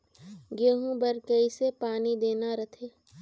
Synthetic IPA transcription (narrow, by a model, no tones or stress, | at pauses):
ɡeːɦũbəɾkəisepaːnid̪eːnaɾət̪ʰeː